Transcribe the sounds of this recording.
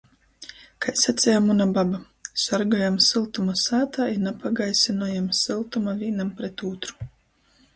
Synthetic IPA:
kajsat̪sʲɛjamunababa | saɾɡɔjamsɨlˠt̪umasaːt̪ainapaɡajsinɔjamsɨlˠt̪umavʲiːnampɾet̪uːt̪ɾu̥

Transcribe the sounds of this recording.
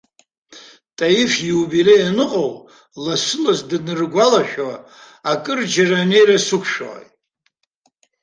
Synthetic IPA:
tʼajifjiubilejanɨqʼow | lasɨlazdɨnɨrɡʷalaʃᶣa | akʼɨrd͡ʒarane̞jrasukʷʰʂa̰j

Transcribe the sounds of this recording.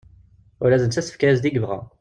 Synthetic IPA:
ʊɾæzənt͡sæsə̥fkæzd̪iɡəvʁɑ̰

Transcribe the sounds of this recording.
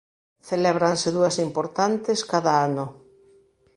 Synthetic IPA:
θelɛβɾanseðuɐsimpoɾt̪ant̪eskaðaano

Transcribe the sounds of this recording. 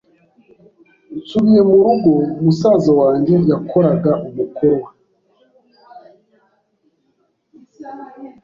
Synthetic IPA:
t͡suβije̞muɾuɡo̞musaːzawaːɲɟe̞jakʰo̞ɾaɡaʔumukʰo̞ɾwa

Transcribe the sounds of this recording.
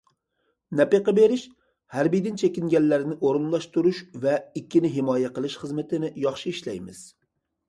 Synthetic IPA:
nɛpeqəbeɾɪʃ | hæɾbijd̪ɪnt͡ʃʰɛkʲiŋɡʲɛnːæɾnɪʔoɾɨnlˠɑʃt̪uɾuʃvɛikʲʰːinɪɦɪmɑːjɛqəlˠɨʃχəzmɪt̪ʰɪnɪjɑχʃiiʃlɛjmɪz̥

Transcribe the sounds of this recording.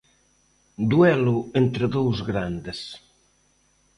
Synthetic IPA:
d̪uɛluent̪ɾəðowzɣɾand̪es

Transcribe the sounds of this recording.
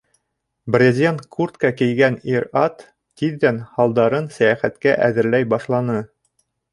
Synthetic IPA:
brʲezʲent̪kʰurt̪kɑkɘ̆jɡæniɾɑt̪ː | iðːænhɑlˠd̪ɑɾɤnsæjæχæt̪kæʔæðɘ̆ɾlæjbɑʃlˠɑnɤ

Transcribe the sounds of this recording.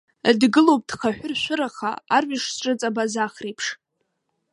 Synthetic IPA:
dɡɨlowp̚ʼdχaħʷᶣʊrʃʷʊɾaχa̰arɥɪʂsʈ͡ʂʼɨt͡sʼabazaχrejpʰʂ

